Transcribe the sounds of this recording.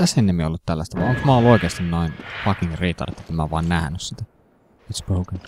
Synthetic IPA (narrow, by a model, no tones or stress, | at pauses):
æsenːimio̰lːut̪t̪ælːæst̪æʋɑ̰oŋksmæˑolːuoikeːst̪innoinpɑkiŋriːt̪ɑ̰rḛt̪et̪ːæmæʋɑinnæhnyssit̪æ | it̪sboukən